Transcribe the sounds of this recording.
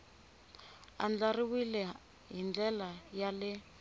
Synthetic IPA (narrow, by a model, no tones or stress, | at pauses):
a̰nd͡ɮariwilɛ | ɦind͡ɮɛlajalɛ